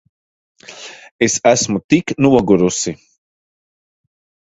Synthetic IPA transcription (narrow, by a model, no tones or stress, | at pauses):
esasmut̪iknuwɐɡuɾusi